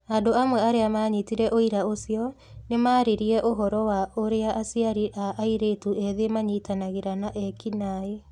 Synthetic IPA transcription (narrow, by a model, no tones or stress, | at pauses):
andoamwɛaɾeamaːɲitiɾɛʔoiɾaosjɔ | nemaːɾeɾiɛʔoɦɔɾɔwaoɾeaʔːsiaɾiʔaʔaiɾetuɛðemaɲitanaɣeɾanaʔɛkinae